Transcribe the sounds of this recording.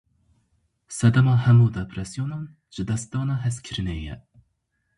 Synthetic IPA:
sɛd̪ɛmɑːhɛmuːd̪ɛpʰɾɛsijonɑn | ʒ̥ɨd̪ɛsd̪ɑːnɑɦɛskʲʰɨɾɨnɛjɛ̰

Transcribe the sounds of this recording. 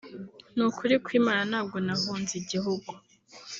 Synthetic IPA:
nukʰuɾikwiːmaɾanaːb̚ɡo̞nahuːnziɟiɦuɡu

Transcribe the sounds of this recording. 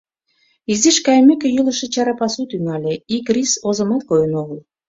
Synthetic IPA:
iziʃkɑjemekʲĕjuləʃĕt͡ɕɑɾɑpɑsut̪yŋɑlʲeikrisozəmɑt̪̚kojənoɣəl

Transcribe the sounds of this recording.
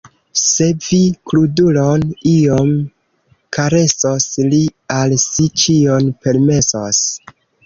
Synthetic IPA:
se̞vikluduloniom | kʰaɾe̞soslialsit͡ʃionpe̞ɾme̞sos

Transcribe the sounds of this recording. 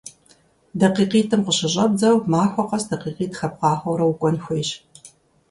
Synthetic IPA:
dɐqiːqiːtʰɨmqəɕɪɕʼɐb̚d͡zɐwmaːxʷɔqɐsdɐqiːqiːtʰxɐp̚qɑːχʷɐwɾɐwukʷʼɔnxʷeːɕ

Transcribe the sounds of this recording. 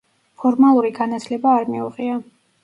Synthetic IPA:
pʰɔɾmalˠuɾiɡanat̪ʰlɛbaːɾmiuʁʼia

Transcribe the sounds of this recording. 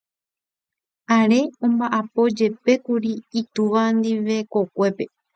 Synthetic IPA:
aɾe̞õ̞mbaʔapo̞d͡ʒe̞pe̞kuɾiit̪uʋand̪iʋe̞ko̞kʷe̞pe̞

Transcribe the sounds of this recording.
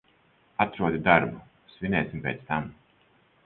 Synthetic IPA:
at̪ɾuɔd̪id̪aɾbu | svʲinʲɛːsʲimpʲɛːt̪st̪am

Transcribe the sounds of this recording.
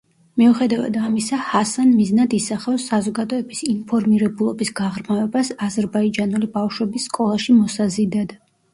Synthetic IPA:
miuχɛd̪ava̰d̪amisahasanmiznad̪isaχafsːazɔɡad̪ɔɛbisinpʰɔɾmiɾɛbulˠɔbisɡaʁɾmavɛbasazɛɾbaid͡ʒanulibafʃwɛbisːkʼɔlˠaʃimɔsazid̪ad̪

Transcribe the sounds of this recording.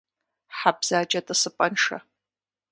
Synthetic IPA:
ħabz̥aːd͡ʒʼɐtʼɨsɨpʼɐnʂa̰

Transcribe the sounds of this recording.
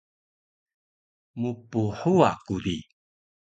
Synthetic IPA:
mupuħua̰kudi

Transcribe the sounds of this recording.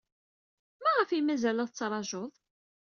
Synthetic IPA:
mæʁəfimæzælæðˤt͡sːɾˤɑʒoðˤ

